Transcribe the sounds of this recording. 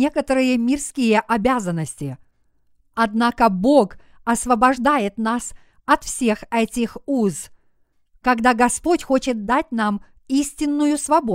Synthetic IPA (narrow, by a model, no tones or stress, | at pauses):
e̞kət̪əɾɨjəmʲɪrskʲijəʔɐbʲazənːəsʲtʲɪ | ɐd̪nakəbo̞k | ɐsvəbɐʐd̪ajɪt̪nas | ɐt̪fsʲe̞xɛtʲɪxuz | kɐɡd̪aɡɐspo̞tʲxot͡ɕɪt̪̚d̪at̚ʲnam | isʲtʲɪnːʊjʊsvɐbo